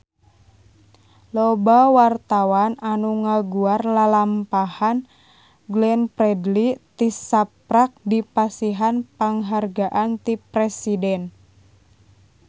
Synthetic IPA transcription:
lobawart̪awananuŋaɡuarlalampahan | ɡlɛnpɾɛdlit̪isap̚ɾak̚dipasiɦanpaŋɦarɡaʔant̪ipɾɛsidɛn

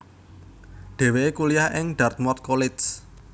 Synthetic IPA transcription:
ɖ̪̥e̤weekulijahʔɪŋɖ̪̥a̤rt̪̚mɔrt̪̚kolɪs

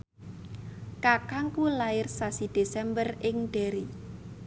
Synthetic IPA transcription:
kakaŋkulaɪrsasid̪̥e̤sɛmbərɪŋɖ̥e̤ɾi

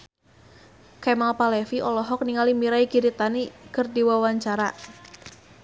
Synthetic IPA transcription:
kɛmalpalɛfiʔɔlɔɦɔk̚niŋalimiɾaiɡiɾit̪anikərdiwawaɲt͡ʃaɾa

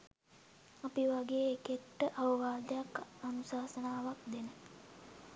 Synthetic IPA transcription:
apiʋaɡeːkeʈːəʔaʋəʋaːd̪əjakanusaːsənaːʋakd̪enə

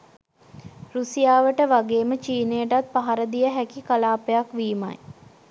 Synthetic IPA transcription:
ɾusijaːʋəʈəʋaɡeːmət͡ʃiːnejəʈat̪̚paɦaɾəd̪ijəɦækikalaːpejakʋiːma̰j

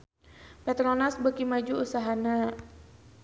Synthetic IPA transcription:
pɛt̪ɾonasbəkimad͡ʒuusaɦana

